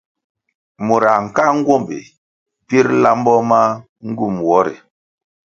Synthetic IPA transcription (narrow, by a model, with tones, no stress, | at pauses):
mu˨ɾa˨ŋ̩˨ka˦ŋ˦ɡwo˦˨mbḭ˨ | pi˦ɾla˦mbɔ˦ma˦ | ŋ˦ɡu˦˨mwɔ˦ɾḭ˨